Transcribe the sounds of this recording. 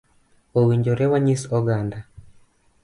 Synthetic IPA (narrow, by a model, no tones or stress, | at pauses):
owiɲd͡ʒɔɾɛwaɲisɔɡanda